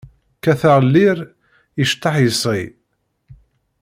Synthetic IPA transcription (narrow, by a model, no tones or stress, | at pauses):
kæθaʁlːiɾ | iʃt̪ːɑħjəsˤi